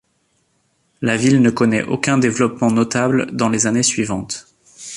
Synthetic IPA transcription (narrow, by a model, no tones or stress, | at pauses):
lavilnəkɔnɛ̰ʔo̰kʲɛ̃d̪evlɔpmɑ̃nɔt̪abld̪ɑ̃lezanesɥivɑ̃t̪